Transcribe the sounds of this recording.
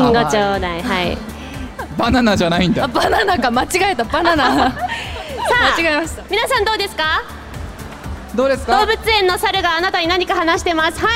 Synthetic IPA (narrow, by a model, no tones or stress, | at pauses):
ŋɡot͡ɕoːd̪aihaḭ | bananaʑanaĩnd̪abananakamat͡ɕiɡaet̪abanana | samat͡ɕiɡaimaɕi̥t̪amʲinasãnd̪o̞ːd̪e̞sɨ̥ka | d̪o̞ːd̪esɨ̥kd̪o̞ːbɯ̟t͡sɨẽ̞nːo̞saɾɯ̟ɡaːnat̪aɲinaɲ̟ikahanaɕi̥t̪e̞masɨ̥ha